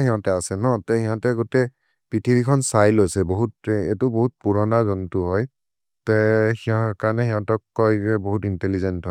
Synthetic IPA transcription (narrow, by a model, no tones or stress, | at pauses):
xiɦɔ̃tɛasɛnɔtɛhiɦɔ̃tɛɡotɛ | pitʰiɹikʰɔnsajlojsɛboɦutetuboɦut̚puɹɔnazɔntʊɦɔj | tɛhiɔkanɛxiɦɔ̃tɔkːɔjɛboɦutintɛlizɛntɦɔj